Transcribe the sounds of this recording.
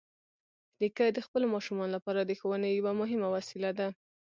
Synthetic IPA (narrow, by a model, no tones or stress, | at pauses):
likad̪əxpəlomɑʃumɑnolapɑɾad̪əxawənejawamʊɦɪmawasilad̪a